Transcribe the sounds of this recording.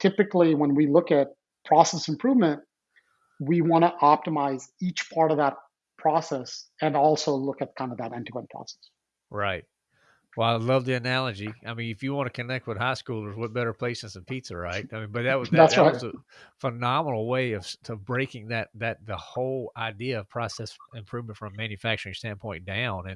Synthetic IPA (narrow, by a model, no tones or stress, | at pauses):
tʰɪpɨkliwə̃nwilʊkɨt̚ | pʰɹ̥ɔsɛsɨ̃m̩pʰɹ̥uvmɨ̃nt̚ | wiwɑ̃ñəʔɑp̚təmaɪzit͡ʃpʰɑɹɾʌvðət̚ | pʰɹ̥ɔsɛsɨ̃nɔlˠsoʊlʊkɨt̪̚kʰãɪ̃ndʌvðəɾɛ̃ntɨɡwə̃npʰɹ̥ɑ̰sɛ̥s | ɹaɪt̚ | wɛlˠaɪlʌvðiɨnælˠəd͡ʒiaɪmĩnɨfjɨwɑ̃nʰɨkʰɨnɛk̚t̚wɨð̥haɪskulˠə˞zwʌt̚b̥ɛɾə˞pʰl̥eɪsɨ̃nsɨ̃n̩pʰitsə˞ɹaɪt̚aɪmĩnbʌt̪̚ðɨt̚wʌzðætsɹaɪwʌzəfənɑmənl̩ˠweɪʌv̥sʌvbɹeɪkɪ̃ŋðɨt̪̚ðɨt̪̚ðəhoʊlˠaɪdiɨʌv̥pʰɹ̥ɑsɛsɨ̃mpʰɹ̥ʉvmə̃ntfɹʌ̃mːæ̃njɨfæk̚t͡ʃə˞ɪ̃ŋstæ̃n̚pʰɔ̃ɪ̃nd̥ãʊ̃nɨ̃n